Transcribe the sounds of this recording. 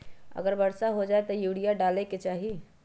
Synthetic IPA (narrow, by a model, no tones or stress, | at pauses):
ə̰ɡəɾbəɽsaɦod͡ʒaet̪ɔjuɽijaɖaleket͡ʃaːɦi